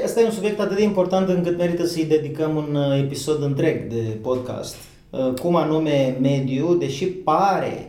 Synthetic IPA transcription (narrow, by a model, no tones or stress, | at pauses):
əst̪ajeunsubjekt̪at̪ɨt̪eimpo̞rt̪ant̪ɨŋkɨt̪me̞ɾit̪əsəjd̪e̞d̪ikəmune̞piso̞d̪ɨnt̪ɾe̞ɡd̪e̞po̞d̪̚ka̰st̪ | kumanume̞me̞d̪iud̪e̞ʃipaɾe̞̰